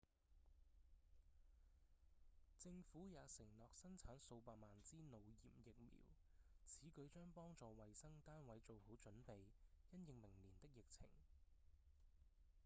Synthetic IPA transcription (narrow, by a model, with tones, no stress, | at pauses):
t͡sɪ˧ŋfuː˨˥jaː˨˧sɪ˨˩ŋlɔː˨k̚sɐ˥nt͡sʰaː˨˥nso˧wpaː˧tmaː˨nt͡siː˥no˨˧wjḭː˨˩p̚jɪ˨k̚mḭː˨˩w | t͡sʰiː˨˥kɵ˨˧˥ɥt͡ʃœː˥ŋpɔː˥ŋt͡sɔː˨˧wɐ˨jsɐ˥ŋt̪aː˥nwɐ˨˧jt͡so˨who˨˥wt͡ʃɵ˨˥npe˨jjɐ˥njɪ˨ŋmɪ˨˩ŋliː˨˩nt̪ɪ˥k̚jɪ˨k̚t͡sʰɪ̰˨˩ŋ